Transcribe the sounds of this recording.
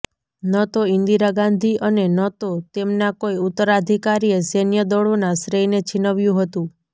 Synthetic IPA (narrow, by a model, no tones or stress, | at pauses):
nət̪oind̪iɾaɡand̪ʱiʔənenət̪ot̪emnakoiut̪ːəɾad̪ʱikaɾiesenjəd̪ɔɭonasɾejnet͡ʃʰinəʋjũɦət̪ũ